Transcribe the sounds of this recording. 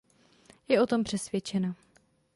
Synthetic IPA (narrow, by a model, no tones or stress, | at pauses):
jɛo̞t̪o̞mpr̝̥ɛsvjɛt͡ʃɛna